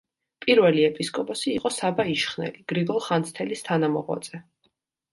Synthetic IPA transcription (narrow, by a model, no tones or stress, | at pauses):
pʼiɾvɛliɛpʼiskʼɔpʼɔsiːqʼɔsabaiʃχnɛ̰liɡ̥ɾiɡɔlˠχant̪sʰt̪ʰɛlist̪ʰanamɔ̰ʁwa̰d̪z̥ʼɛ